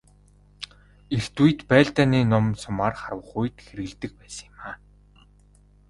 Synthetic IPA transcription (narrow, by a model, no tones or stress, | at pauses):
ext̪uj̆t̪pæːɮt̪aːniːnʊmsʊmaːrχarwə̆χujt̪xeɾɘɣɘ̆ɮt̪ɘ̆k̚pæːsə̥̆ŋ̆maː